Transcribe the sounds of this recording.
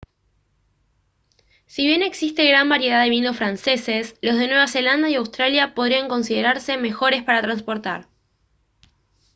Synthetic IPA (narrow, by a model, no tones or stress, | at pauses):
siβje̞ne̞ksist̪e̞ɣɾambaɾje̞ð̞aðe̞βinosfɾanse̞se̞slo̞zð̞e̞nweβase̞land̪ajiawst̪ɾaljapo̞ð̞ɾiaŋko̞ns̬iðeɾaɾse̞me̞xo̞ɾe̞spaɾat̪ɾanspo̞ɾt̪a̰ɾ